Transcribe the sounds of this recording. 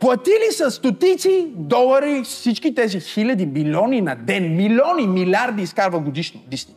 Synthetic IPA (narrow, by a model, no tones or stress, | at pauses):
plˠɐt̪ilisɐst̪ot̪it̪sid̪ɔlˠɐɾisit͡ʃkʲit̪ɛzixilʲɐd̪imilʲɔninɐd̪ɛnmilʲɔnimilʲaɾd̪iːskaɾvəɡod̪iʃnod̪ist̪i